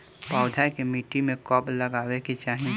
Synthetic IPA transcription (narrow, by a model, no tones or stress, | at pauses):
paːʊd̪ʱajkemiːʈːimẽkɔːbləɡaːweket͡ʃaːɦi